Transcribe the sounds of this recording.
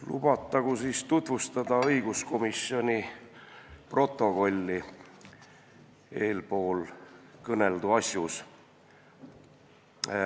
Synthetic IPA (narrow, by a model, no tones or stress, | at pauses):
lṵb̥ɑt̪ːˑɑɡ̥usiːst̪ut̪vust̪ɑd̪ɑɤjɡ̥usko̞misjo̞nʲi | pro̞t̪ːˑo̞ko̞lʲːi | e̞ːlpo̞ːlkɤne̞ld̪uɑsʲjus